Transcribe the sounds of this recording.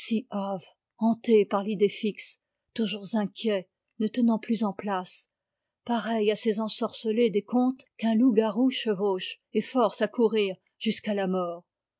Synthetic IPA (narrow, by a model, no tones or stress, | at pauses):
siav | ɑ̃t̪epaʁlid̪efiks | t̪uʒuʁzɛ̃kʲjɛ | nət̪ənɑ̃plyzɑ̃plas | paʁɛjasezɑ̃sɔʁsəled̪ekɔ̃t̪kɛ̃luɡaʁuʃəvoʃ | efɔʁsakuʁiːʁ | ʒ̥yskalamɔːʁ